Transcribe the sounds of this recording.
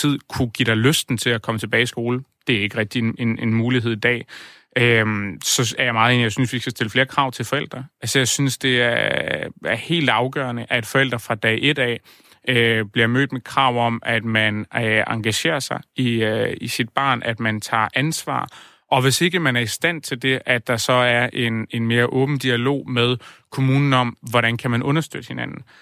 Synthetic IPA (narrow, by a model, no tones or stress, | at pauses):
t͡sʰið̞̰ˠkʰuɡ̥id̥ɑ̈løsd̥n̩t͡sʰe̝lækʰɒ̽mət͡sʰe̝b̥ɛːɪisɡ̥o̝ːld̥e̝æɐe̝ɡ̥əʁɛɡ̥̚d̥iene̝nmuːliɦe̝ð̞̰ˠid̥ɛ̰ː | ʔømsɒ̽æjɑmɑ̈ːð̩ˠe̝ːnijɑ̈ɪsynsʋisɡ̥æsd̥e̝ləfle̝ːɐkʰʁɑ̈ʊ̰t͡sʰe̝lfɒ̽el̰d̥ʁɐælsɒjɑ̈ɪsynsd̥e̝æɐ | æɐhe̝̰ːld̥ɑ̈ʊɡ̥ɶ̰ɐnəʔæe̝d̥fɒ̽el̰d̥ʁɐfʁɑ̈d̥ɛɪʔe̝d̥ɛ̰ | øb̥liɐmø̰ːd̥mekʰʁɑ̈ʊ̰ɒ̽mæd̥mænɑ̈ŋɡ̥æɕe̝̰ːɐsɑ̈ɪiøisid̥̚b̥ɑ̈ːnʔæd̥mænt͡sʰɑ̰̈ːʔænsʋɑ̰̈ː | ʔɒ̽ʋe̝se̝ɡ̥əmænæɐisd̥æn̰t͡sʰe̝ld̥e̝ʔæd̥ɑ̈sɒ̽æɐʔe̝ne̝nme̝ːɐʔɔ̽ːb̥n̩d̥iælo̝̰ːmeð̞ˠkʰo̝muːnn̩ɒ̽mʋɒɾænkʰæmænʔɔ̽nɐsd̥ød̥əhe̝nænn̩